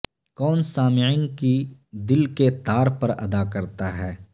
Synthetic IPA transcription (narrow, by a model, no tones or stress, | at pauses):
kɔːnsaːmɪɪnkid̪ɪlket̪aːɾpɐɾɐ̰d̪akɐɾt̪aɦɛː